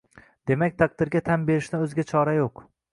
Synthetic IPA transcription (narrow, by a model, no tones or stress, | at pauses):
d̪̥e̞makʲt̪ʰaq̚d̪ɪɾɡʲat̪ʰanbe̞ɾɪʃnɪɵzɪɡʲat͡ʃʰɒɾajoq